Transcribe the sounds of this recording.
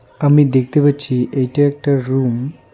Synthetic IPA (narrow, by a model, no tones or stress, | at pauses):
amid̪ekʰt̪ebət͡ɕiʔeʈəɾek̚ʈəɾɾum